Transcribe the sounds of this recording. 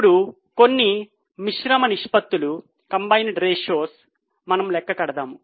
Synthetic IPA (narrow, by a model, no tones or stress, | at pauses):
ɽu | ko̞nːi | miʂɾɐmɐniʂpɐt̪ːulu | kɐmbɐjnɖɾeːʃoːs | mɐnɐmlɛkːɐkɐɽɐd̪aːmu